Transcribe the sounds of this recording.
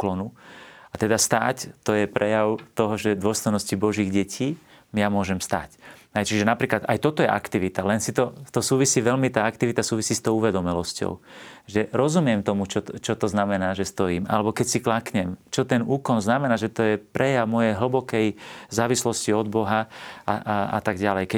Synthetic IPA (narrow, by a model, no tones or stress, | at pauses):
klɔnuat̪ɛd̪ast̪aːct̪ɔjɛpɾɛjaʊt̪ɔɦɔʒɛd̪ʊɔst̪ɔjnɔscibɔʒiːɣɟɛcʰiː | mjamʊɔʒɛmst̪a̰ːcɦɛjt͡ʃiʒɛnapɾiːklat̪ajt̪ɔt̪ɔjɛʔa̰kt̪iʋit̪alɛnsit̪ɔt̪ɔsuːʋisiːʋɛlmit̪aːakt̪iʋit̪asuːʋisiːst̪ɔʊuʋɛd̪ɔmɛlɔscɔ̰ʊʒɛɾɔzumɪɛmt̪ɔmut͡ʃɔt͡ʃɔt̪ɔznamɛnaːʒɛst̪ɔjiːmʔa̰lɛbɔkɛcsiklakɲɛmt͡ʃɔt̪ɛnuːkɔnznamɛnaːʒɛt̪ɔjɛpɾɛjaʊmɔjɛjɦl̩bɔkɛjzaːʋislɔsciɔd̪̚bɔɦaaa̰t̪aɡɟalɛjkɛ